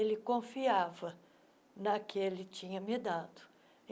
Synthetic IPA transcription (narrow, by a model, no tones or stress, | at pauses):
elɪkõfiavɐ | nɐkɪelɪt͡ʃĩɲɐmed̪ad̪ʊ̥